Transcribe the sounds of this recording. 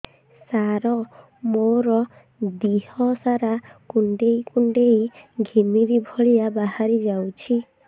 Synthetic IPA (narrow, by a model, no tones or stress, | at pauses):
saɾɔ | moɾɔ | d̪ihɔsaɾakuɳɖejkuɳɖejɡʱimiɾibʱɔɭijabaɦaɾid͡ʒawt͡ʃʰi